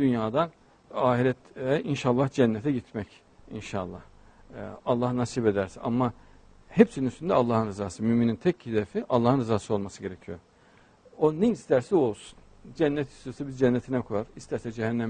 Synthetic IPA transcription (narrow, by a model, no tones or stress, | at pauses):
d̪̥ynjaːd̪an | aːɦiɾɛt̪ɛinʃalˠːahd͡ʒɛnːɛt̪ʰɛɟit̪ʰmɛc | ḭnʃalˠːa̰h | alˠːahnasiːbe̞d̪æɾsia̰mːa | hɛpsininyst̪ʰynd̪ɛalˠːaːhɯnɾɯzaːsɯmyminint̪ʰɛchid̪ɛfiʔalˠːaːhɯnɾɯzaːsɯo̞lˠmasɯɟe̞ɾecʰijo̰ | oneist̪ʰæɾsɛo̞lˠsu̥n | d͡ʒænːɛt̪i̥st̪isɛbizd͡ʒɛnːɛt̪ʰinɛkʰojaɾist̪ʰæɾsɛd͡ʒɛɦænːɛm